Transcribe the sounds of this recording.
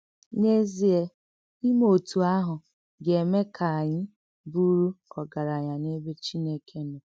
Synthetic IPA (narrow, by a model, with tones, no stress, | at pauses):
ne˦zi˦e˦ | i˦mo˨tu˨a˦ɦʊ˨ | ɡe˨me˦kʰa˨ɲɪ˦ | bu˦ɾu˦ɔ˨ɡa˨ɾa˨ɲa˨ne˦be˦t͡ʃi˦ne˦kʰe˦nʊ˨